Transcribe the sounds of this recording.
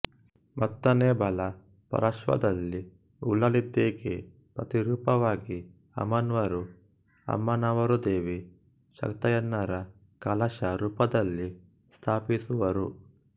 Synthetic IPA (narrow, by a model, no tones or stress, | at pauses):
mʔɐt̪ːɐneːbʱɐlɐ | pɐ̰ɾɐʃʋɐ̰d̪ɐlːi | ulɐɭid̪ːeːɡe | pɾɐt̪iɾuːpɐʋaːɡi | ɐ̰mɐnʋɐɾu | ɐ̰mːɐnɐʋɐɾud̪eːʋi | ʃɐ̰kt̪ɐjɐnːɐɾɐ | kɐlɐʃɐɾuːpɐd̪ɐlːi | st̪ʰaːpisuʋɐɾṵ